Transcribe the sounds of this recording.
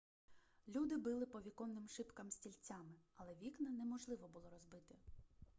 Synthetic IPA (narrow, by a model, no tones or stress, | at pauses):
lʲud̪ɪbɪlˠɪpɔʋʲikɔnnɪmʃɪpkɐmsʲtʲilʲt͡sʲamɪɐlˠɛʋʲiknɐnɛmɔʒlˠɪʋɔbʊlˠɔɾɔzbɪt̪ɪ